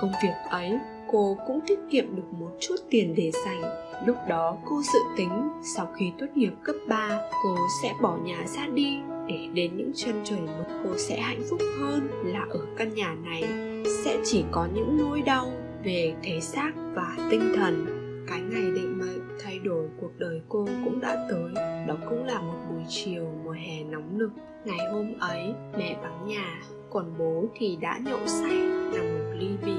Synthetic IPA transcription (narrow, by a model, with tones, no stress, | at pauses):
kə˧wŋ͡mvi˨˩ək̚ʔə˨˦j | ko˧kʊ̰˧˥ŋ͡mt̪ʰi˦˥k̚kḭ˧˨əmɗɨ˨˩ək̚mo˨˩t̚t͡ɕu˦˥t̚t̪i˨˩ənɗe˧˩za˨˩jŋ̟ | lʊ˦˥k͡p̚ɗɔ˨˦ko˧zɨ̰˧˨t̪ï˨˦ŋ̟sa˧wxi˧t̪wə˦˥t̚hi˨˩əp̚kə˦˥p̚ɓaː˧ko˧sɛ̰˧˥ɓɔ˧˩ɲaː˨˩zaː˧ɗi˧ɗe˧˩ɗe˨˦nɲɨ̰˧˥ŋt͡ɕə˧nt͡ɕəː˧˩jmə˨˦tko˧sɛ̰˧˥ha̰˧˨jŋ̟fʊ˦˥k͡p̚həː˧nlaː˨˩ʔəː˧˩ka˧nɲaː˨˩na˨˩j | sɛ̰˧˥t͡ɕi˧˩kɔ˨˦ɲɨ̰˧˥ŋno˧jɗa˧w | ve˨˩t̪ʰe˨˦saː˦˥k̚vaː˨˩t̪ï˧ŋ̟t̪ʰə˨˩n | kaː˨˦jŋa˨˩jɗḭ˧˨ŋ̟ma˧˨t̪ʰa˧jɗo˧˩jku˨˩ək̚ɗəː˨˩jko˧kʊ̰˧˥ŋ͡mɗa̰ː˧˥t̪əː˨˦jɗɔ˨˦kʊ̰˧˥ŋ͡mlaː˨˩mo˨˩t̚ɗu˨˩əjt͡ɕi˨˩əwmu˨˩əjɦɛ˨˩nɔ˨˦wŋ͡mnɨ˨˩ək̚ | ŋa˨˩jho˧mʔə˨˦jmɛ̰˧˨ɓa˨˦nɲaː˨˩ | kɔ˨˩nɓo˨˦t̪ʰi˨˩ɗa̰ː˧˥ɲɔ̰˧˨sa˧jna˨˩ŋmo˨˩t̚li˧vḭ˧˨